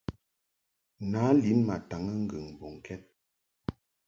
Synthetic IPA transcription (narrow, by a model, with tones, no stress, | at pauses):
na˨˦li˨˦nma˨ta˨ŋə˦ŋ̩˦ɡə̰˨ŋbɔ˨ŋ˨kʰɛ˦t̚